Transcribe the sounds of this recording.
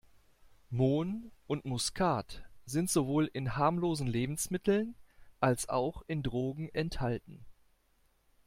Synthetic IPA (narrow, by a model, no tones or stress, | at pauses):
moːnʔʊntmʊskʰaːtz̥ɪntz̥ovoːlɪnhaːɐmloːzn̩leːbm̩smɪtʰl̩nʔalsa̰ʊxɪndʁoːɡŋ̩ɛnthaltn̩